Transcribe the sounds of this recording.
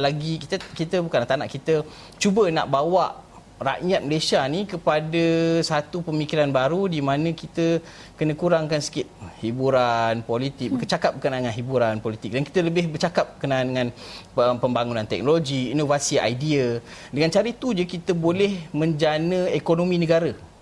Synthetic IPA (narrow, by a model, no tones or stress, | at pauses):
laɡikit̪əkit̪əbukanat̪ana̰ʔkit̪ə | t͡ʃubəna̰ʔbawaʔ | ra̰ʔjat̪̚məlesianikəpadəsat̪upəmikiɾanbaɾudimãnə̃kit̪ə | kənə̃kuɾaŋkansə̥kɪt̪̚hibuɾanpolit̪ɪk̚bəkət͡ʃakap̚bəkənadəŋanɦibuɾanpolit̪ɪk̚dankit̪ələbɪhbərt͡ʃakap̚bəkənaandəŋãnəpəmbaŋunãnt̪ɛ̰k̚noloɡiːnovasia̰jdiədəŋant͡ʃaɾət̪ud͡ʒəkit̪əbolɛhmə̃ɲd͡ʒanə̃ekonomĩnə̃ɡaɾə